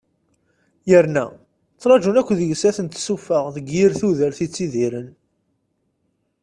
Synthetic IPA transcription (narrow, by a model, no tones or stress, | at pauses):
jəɾnæ̰ | t͡sːɾˤɑʒunækʷːðəʝsæθənt̪sufəʁðəɡjiɾθuðəɾθit͡sːiðiɾən